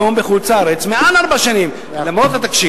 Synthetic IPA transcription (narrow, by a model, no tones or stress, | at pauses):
ombeχut͡saaɾet͡smeanaɾbaʃanim | lamʁotat̪akʃi